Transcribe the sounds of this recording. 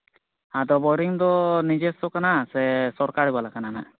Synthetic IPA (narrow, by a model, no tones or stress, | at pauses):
ad̪ɔbɔɾiŋd̪ɔnid͡ʒɛsɔkanasɛsɔɾkaɾibalakanana